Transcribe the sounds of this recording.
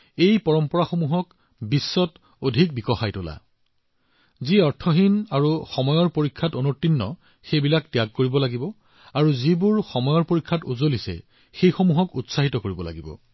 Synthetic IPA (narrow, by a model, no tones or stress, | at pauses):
ejpɔɹɔmpɔɹaxomuɦɔk | bisːɔt | odʱik̚bikɔxajtola̰ | ziɔɹtʰɔɦinaɹuxɔmɔjɔɹpoɹikʰːatonotːinːɔ̰ | xejbilaktjak̚koɹibɔlaɡibɔ | aɹuzibuɹxɔmɔjɔɹpoɹikʰːatuzolisɛ̰ | xejxomuɦɔkutsaɦitɔkoɹibɔla̰ɡibɔ̰